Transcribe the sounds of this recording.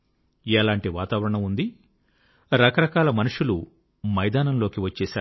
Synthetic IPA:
ɛːlaːɳʈiʋaːt̪aːʋɐɾɐɳɐmund̪i | ɾɐkɐɾɐkaːlɐmɐnuʂulu | mɐjd̪aːnɐmloːkiʋɐt͡ʃːɛːsaːu

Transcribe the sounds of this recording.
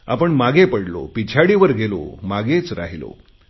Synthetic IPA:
a̰pəɳmaɡepəɽlo̰pit͡ɕʰaɽiʋəɾɡʱelo̰maɡet͡sɾa̰ɦilo̰

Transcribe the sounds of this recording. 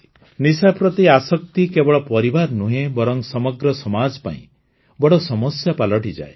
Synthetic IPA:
nisapɾɔt̪iasɔkt̪ikebɔɭɔpɔɾibaɾnuɦẽbɔɾɔŋsɔmɔɡɾɔsɔmad͡ʒɔpa̰ḭ̃ | bɔɽɔsɔmɔsjapalɔʈid͡ʒa̰e

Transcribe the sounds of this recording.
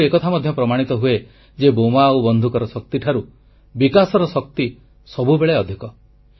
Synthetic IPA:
ekɔt̪ʰamɔd̪ʱjɔpɾɔmaɽ̃it̪ɔɦue | d͡ʒebomaobɔnd̪ʱukɔɾɔsɔk̚t̪iʈʰaɾu | bikasɔɾɔsɔk̚t̪i | sɔbubeɭeɔd̪ʱikɔ

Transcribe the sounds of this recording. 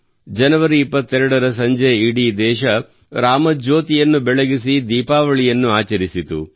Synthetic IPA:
d͡ʒɐnɐʋɐɾiːpːɐt̪ːɛɾɐɽɐɾɐs̬ɐɲd͡ʒeiɽid̪ɛːʃɐ | ɾaːmɐd͡ʒoːt̪ijɐnːubɛɭɐɡisid̪iːpaːʋɐɭijɐnːuaːt͡ʃɐɾisit̪ṵ

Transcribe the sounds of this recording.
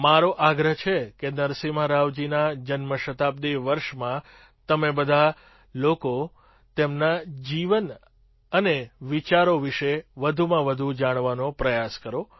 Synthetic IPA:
maɾoʔaɡɾəɦt͡ʃʰekenəɾsiməɾaʋd͡ʒinad͡ʒənməʃət̪ab̚d̪iʋəɾʃmã | t̪əmebəd̪ʱa | loko | t̪emnad͡ʒiʋən | əneʋit͡ʃaɾoʋiʃeʋəd̪ʱumãʋəd̪ʱud͡ʒaɽ̃ʋanopɾəjaskəɾo

